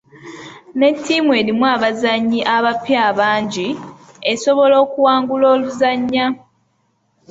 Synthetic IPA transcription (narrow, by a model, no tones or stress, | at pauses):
ne̞tʰːimwe̞ːlimwaβazaɲːiʔaβapːjaːβaːɲɟi | e̞so̞βo̞lo̞ːkuwaːŋɡuloːluzaɲːa